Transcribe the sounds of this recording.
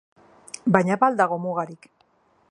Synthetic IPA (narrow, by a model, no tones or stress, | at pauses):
bajɲaβald̪aɣomuɣaɾik